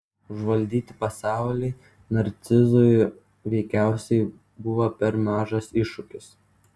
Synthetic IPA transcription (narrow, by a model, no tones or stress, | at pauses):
ʊʒʋɐlʲd̪ʲiːt̪ʲɪpɐsɑˑʊlʲɛɪ | nɐɾʲt̪sʲɪzoj | ʋʲɛɪkʲæˑʊsʲɛɪ | bʊʋɐpʲɛɾmʲæːʒɐsɪʃʊkʲɪs